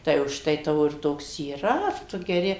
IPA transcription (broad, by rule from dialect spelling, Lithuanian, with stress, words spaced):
tɐɪ ʊʃˈtɐɪ ˈtɑːʋoː ɪr ˈtoːks iːˈrɐ ˈtʊ ɡʲɛˈrʲɪ